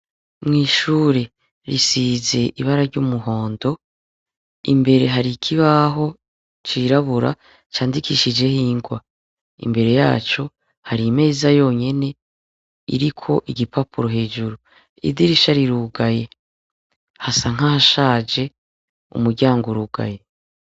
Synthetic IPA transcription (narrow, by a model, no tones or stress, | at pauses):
mŋiːʃuːɾe̞ | ɾisize̞ʔiβaɾaɾɟuːmuɦo̞ːndo̞ | ḭmbe̞ɾe̞ɦaɾikʰiβaɦo̞ | t͡ʃiɾaβuɾa̰ | t͡ʃaːndikʰiʃid͡ʒe̞hiːŋɡwa | ḭmbe̞ɾe̞ja̰ːt͡ʃo̞ | haɾime̞ːzajo̞ːɲe̞ne̞ | ḭɾikʰo̞ʔiɡɟipapuɾo̞ɦe̞ːd͡ʒuɾu | ḭdiɾiʃaɾiɾuɡaje̞ | hasaŋ̥hahaʃaːd͡ʒe̞ | ṵmuɾɟaːŋɡoɾuːɡa̰je̞